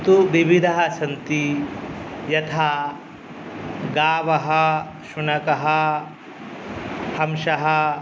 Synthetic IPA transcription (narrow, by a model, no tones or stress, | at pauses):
t̪uʋibid̪ʱɐɦɐt͡ʃʰɐnt̪i | jɐt̪ʰaː | ɡaːʋɐɦɐ | ʃunɐkɐɦɐ | hɐmʃɐɦɐ